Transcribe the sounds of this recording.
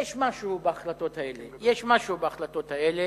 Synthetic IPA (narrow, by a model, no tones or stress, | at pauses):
jɛʃmaʃubeaχlat̪o̞t̪aelejeʃmaʃubeaχlat̪o̞t̪haele